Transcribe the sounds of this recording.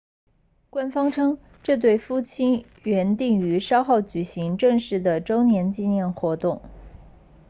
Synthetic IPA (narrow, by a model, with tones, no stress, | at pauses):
kwa˥nfɑ˥ŋʈ͡ʂʰɤ˥ŋ | ʈ͡ʂɤ˥˧t̪̬we˥˩ɪfu˥˩t͡ɕʰi˥n | ɥɛ˧˥nt̪i˥˩ŋy˧˥ʂɑ˥ʊxɑ˥˩ʊt͡ɕy˨˩ɕi˧˥ŋʈ͡ʂɤ˥˧ŋʂɻ̩˥˩d̪ə˩ʈ͡ʂo˥ʊnjɛ˧˥nt͡ɕi˥˧njɛ˥˧nxwɔ˧˥t̪ʊ˥˩ŋ